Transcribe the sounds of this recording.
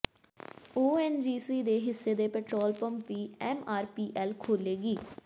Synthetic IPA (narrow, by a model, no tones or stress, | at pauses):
uːɛːnd͡ʒiːsiːd̪eːɦɪsːeːd̪eːpɛːʈɾoːlpə̃mpʋiːɛːmaːɾpiːʔɛːlkʰoːleːɡiː